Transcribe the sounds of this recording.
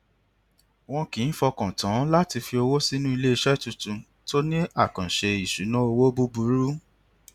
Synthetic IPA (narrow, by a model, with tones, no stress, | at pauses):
w̃ɔ̃˧kĩ˨˦n̩˦fɔ˧kã˨tã˨˦la˦ti˧fi˧o˧wo˦si˦nũ˦i˧le˦i˧ʃɛ˦tũ˧tũ˧ | to˦nĩ˦a˦˨kã˨ʃe˧i˨ʃu˨˦nã˦o˧wo˦bu˦bu˨˦ɾu˦